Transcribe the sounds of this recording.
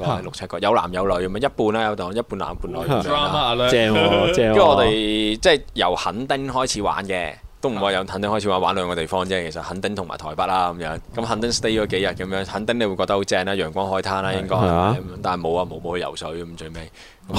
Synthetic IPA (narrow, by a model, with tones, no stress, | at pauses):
kɔː˧ɛ˥lʊ˨k̚ʰɐ˥kɔː˧jɐ˨˧wla̰ː˨˩mjɐ˨˧wlɵ˨˥jkɐ˨˦mː˧jɐ˥t̚puː˧naː˧jɐ˨˧wt̪ʊ˨ŋ˨˧jɐ˥t̚pu˧nla̰ː˨˩mpuː˧nlɔː˨˩jlːa˧˨˧ɛ˧˥ɔː˨˧t̪e˨jt͡sɛː˥˩jjɐ˨˩whɐ˨˥nt̪ɪ˥ŋhɔː˥jt͡sʰiː˨˥wa̰ː˨˥nkɛ˧ | t̪o˥wm̩˨˩wa˧jɐ˨˧whɐ˨˥nt̪ɪ˥ŋhɔ˥jt͡sʰi˧waː˨˥nwaː˨˥nlœː˨˧ŋkɔː˧t̪e˨˩jfɔː˥ŋt͡sɛː˥kʰe˨˩sɐ˨t̚hɐ˨˥nt̪ɪ˥ŋt̪ʰʊ˨˩ŋma̰ː˨jt̪ʰɔː˨˩jpɐ˥t̚laː˥kɐ˨˦mjœː˨˥ŋkɐ˨˥mɦɐ˨˧nt̪ɪ˥ŋst̪e˥jɔː˨˧ke˨˥jɐ˨t̚kɐ˨˧mjœː˧˥ŋhɐ˨˥nt̪ɪ˥ŋne˧wu˧kɔː˧kt̪ɐ˥ho˨˥wt͡sɛː˧ŋaː˧˥jœː˨˩ŋkʷɔaː˥nɦɔː˨˥jt̪ʰaː˥naː˧jɪ˥ŋkɔː˥jaː˨˥kɐ˨˦mjœː˨˧ŋt̪aː˨nhjmo˨˧wɐ˧mo˨˧wmo˨˧whɵ˧jɐ̰˨˩wsɵ˨˥ɥkɐ˧˦mt͡ʃɵ˧ɥmɛː˥j | kɐ˨˦m